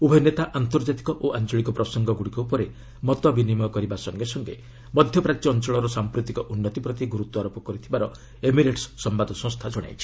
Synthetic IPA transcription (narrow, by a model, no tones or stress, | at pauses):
ubʱɔnet̪aʔant̪ɔɾd͡ʒat̪i̥kɔʔoʔant͡ʃɔɭikɔpɾɔsɔŋɡɔɡuɽikɔupɔɾe | mɔt̪ɔbinimɔkɔɾibasɔŋɡesɔŋɡḛ | mɔd̪ʱjɔpɾat̪jɔːnt͡ʃɔɭɔɾɔsampɾut̪ikɔʔunːɔt̪ipɾɔt̪iɡuɾut̪ːɔaɾopɔkɔɾit̪ʰibaɾɔ | emiɾeʈssɔmbad̪ɔsɔ̃st̪ʰad͡ʒɔɽ̃a̰jt͡ʃʰi̥